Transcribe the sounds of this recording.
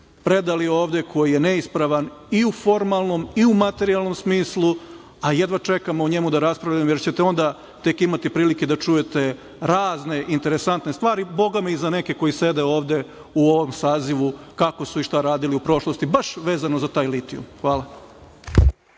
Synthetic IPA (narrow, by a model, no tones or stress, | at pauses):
pɾe̞d̪alioːʋd̪e̞kʰo̞jije̞neispɾaʋaniufo̞ɾmalˠno̞miumat̪e̞ɾialˠno̞msmiːslˠu | ajed̪ʋat͡ʃe̞kamouɲe̞mud̪aɾaspɾaʋʎamjeɾt͡ɕet̪eo̞nd̪a | t̪e̞kimat̪ipɾiːliked̪at͡ʂuje̞t̪e̞ | ɾaːzne̞ʔint̪e̞ɾesant̪nest̪ʋaːɾibo̞ɡameizane̞ke̞ko̞jise̞d̪eo̞ːʋd̪e̞ | uo̞ʋo̞msaːziʋukako̞suiʃt̪aɾaːd̪iliupɾo̞ʃlˠo̞st̪ibaʃʋe̞ːzanozat̪aːjlit̪iṵmxʋaːlˠa